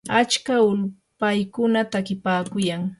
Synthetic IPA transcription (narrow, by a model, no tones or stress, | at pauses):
at͡ʃkaʊlpajkʊnat̪akɪpaːkʊjaŋ